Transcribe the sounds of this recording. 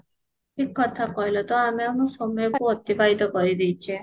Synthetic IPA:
ekːɔt̪ʰakɔɦjlɔt̪ɔameanosɔmɔjokuɔt̪ibaɦit̪ɔkɔɾid̪ejt͡ʃʰe

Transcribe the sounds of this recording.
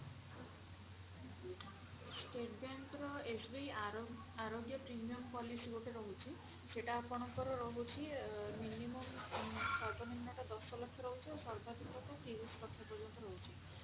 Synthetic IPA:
sʈeʈbenʈɾɔesbi | aɾoɡjɔpɾimijɔmpɔlisiɡoʈeɾɔɦut͡ʃʰi | seʈapɔɽ̃ɔkɔɾɔɾɔɦut͡ʃʰiminimɔmsɔt̪ɔninːaʈad̪ɔsɔlɔkʰːjɔɾɔɦut͡ʃʰiosɔɾb̪ʱad̪ʱikɔkɔkibɔslɔkʰːɔpɔɾd͡ʒɔnt̪ɔɾɔɦut͡ʃʰi

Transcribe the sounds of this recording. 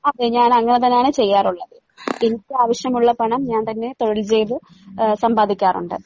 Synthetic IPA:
ɐðɨɲaːnɐŋːɐɳet̪̬ɐnːjaːɳɨt͡ɕe̞jːaːruɭːɐðɨ | enikʲːɨaːʋɐɕjɐmuɭːɐpɐɳɐmɲaːnt̪ɐnːe̞t̪o̞ɻilt͡ɕe̞ːjʋɨ | sɐmbaːd̪ʱikʲːaːrṵɳɖɨ̰ɨ

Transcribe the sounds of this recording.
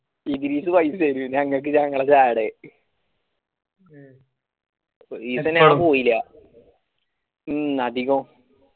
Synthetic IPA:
iðiɾiːsɨʋɐjsɐjɾuɲɐŋːɐɭk̬ːɨɲɐŋːɐɭt͡ɕaːjɽe | isɐnaːɳpoːjilːɐ | ɐd̪ʱiɣo

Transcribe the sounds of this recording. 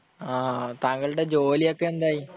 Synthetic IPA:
aːt̪ɐŋɡɐɭuɽe̞d͡ʑo̞ːlijokːeend̪aːji

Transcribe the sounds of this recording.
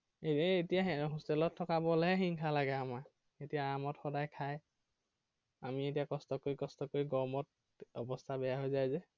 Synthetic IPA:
eetijaɦustɛlɔtʰːɔkabɔlɛɦɛxiŋkʰalaɡɛama | etijaamɔtxɔdajkʰaj | amietijakɔstɔkoɹikɔstɔkoɹiɡɔmɔt̚ | ɔbɔstʰabɛjaɦojzajzɛ

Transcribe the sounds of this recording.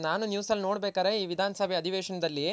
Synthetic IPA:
naːnunjuːsɐlno̞ːɽbeːkaːɾeiːʋid̪ʱaːnɐsɐbʱɛɐd̪ʱiʋeːʂɐnɐd̪ɐlːi

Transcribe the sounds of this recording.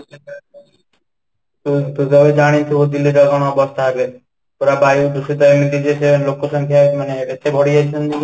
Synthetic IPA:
t̪ut̪ud͡ʑɔbed͡ʑañit̪ʰebod̪ilːiɾɾakonoɔbost̪ʰaabe | t̪oɾabajud̪uʃit̪̬aemɾit̪id͡ʑ̪eselokʰːoʃɔŋkʰaemaneet̪ebʱɔɽijet͡ɕʰend̪ili

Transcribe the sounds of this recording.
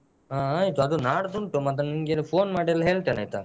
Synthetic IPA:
aːajt̪uɐd̪unaːɽd̪uɳʈumɐt̪ːɐniŋɡelepʰoːnmaːɖelːɦeːɭt̪eːna̰jt̪a̰

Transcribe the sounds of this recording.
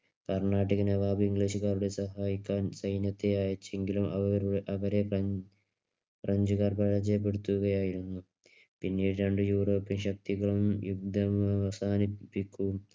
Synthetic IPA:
kɐrɳaːʈ̬ːiɣɐnɐʋaːbiŋɡɭiːɕuɣaːɾuɽe̞sɐɦaːjikʲːaːnsɐjnjɐt̪ːejaːjɐt͡ɕːe̞ŋɡilumʔɐʋɐɾɐʋɐɾe̞ | prɐɲd͡ʑuɣaːrpɐɻɐd͡ʑɐjp̬ːeɽut̪ːuɣɐjaːjiɾunːu | pinːiːɽɾeɳɖɨjuːro̞ːpːinɕɐk̚t̪iɣɐɭumjuɡ̚d̪ʱɐmɐsaːnipːikʲːuʋum

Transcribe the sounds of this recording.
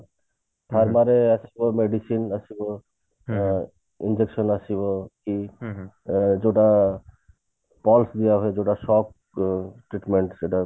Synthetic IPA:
pʰaɾmaɾeasʰibomeɖisinasʰibo | ind͡ʑekʃɔnasʰiboki | d͡ʒoʈa | pɔlsd̪ijaɦoed͡ʒoʈaʃɔk̚ | ʈɾiʈmeɳʈseʈa

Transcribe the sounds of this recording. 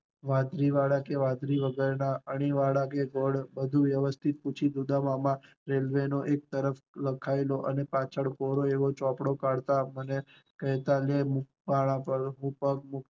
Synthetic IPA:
ʋãd̪ʱɾiʋaɽakeʋãd̪ɾiʋəɡəɾnaəɽ̃iʋaɽakeɡoɽbəd̪ʱuʋjəʋəst̪ʰit̪̚put͡ʃʰid̪ud̪amamã | ɾelʋenoʔek̚t̪əɾəfləkʰaeloʔənepat͡ʃʰəɽkoɾoeʋot͡ʃɔpɽokaɽt̪aməne | kəɦt̪alemuk̚paɭ̃ãpəɾɦũpəkmʊk

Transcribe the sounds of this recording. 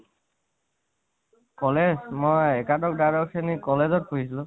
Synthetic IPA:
kɔlezmojɛkatɔk̚dajɾɔksenikɔlezɔt̚pʰoɦisilu

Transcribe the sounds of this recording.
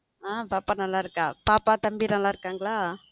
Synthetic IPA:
abapanalaɾɡab̥apat̪ambiɾalaɾkaŋɡla

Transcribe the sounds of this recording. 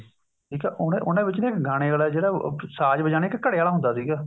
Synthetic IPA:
ʈʰiːkɛːʔʊnẽʔʊnẽːbɪt͡ʃnẽːkɡaːɽ̃eːɡaːlaːd͡ʒeːɽaːsaːd͡ʒbəd͡ʒaːñeːkkəɽeːaːlaːɦʊ̃nd̪aːsiːɡaː

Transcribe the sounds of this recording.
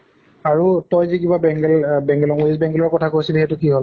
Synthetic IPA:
aɹutɔjzikibabɛŋɡɛlbɛŋɡɛlɔŋuisbɛŋɡɛlɔɹkɔtʰakosilhɛtʊkiɦol

